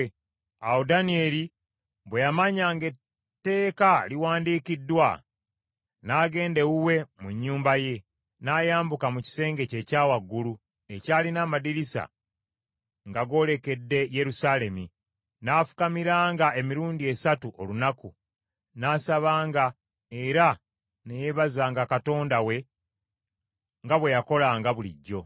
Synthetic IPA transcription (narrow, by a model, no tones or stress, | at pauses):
awodanie̞li | bwe̞jamaɲaŋɡe̞ | tːe̞ːkaliwaːndiːkidːwa | naːɡe̞ːnde̞ɣuwe̞muɲːuːmbaje̞ | naːjaːmbukamuci̥se̞ːŋɡe̞ce̞ːcaːwaɡːulu | e̞caːlinaːmadiɾisa̰ | ŋɡaɡo̞ːle̞ke̞dːe̞je̞ɾusale̞mi | naːfu̥kamiɾaːŋɡae̞miɾuːndie̞satuʔo̞lunaku | naːsaβaːŋɡa | e̞ɾa | nejeβazaːŋɡakato̞ːndawe̞ | ŋɡaβwe̞jako̞laŋɡaβuliɟːo̞